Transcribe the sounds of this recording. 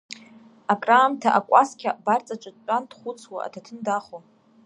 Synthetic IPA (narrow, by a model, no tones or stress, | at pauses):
akʼraːmtʰaʔakʷʼaskʲʰabart͡sʼat͡ʃʷʼɨd̚ʼt͡ʃʼandχʷʊt͡sʰwa̰a̰tʰatʰɨndaχo